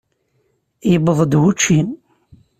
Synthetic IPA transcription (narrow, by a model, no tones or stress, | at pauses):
jbəðˤd̪wut͡ʃːim